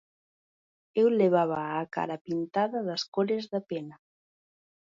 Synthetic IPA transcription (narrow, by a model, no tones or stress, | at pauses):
ewleβ̞aβaːka̰ɾapint̪aðaðaskoɾezðapena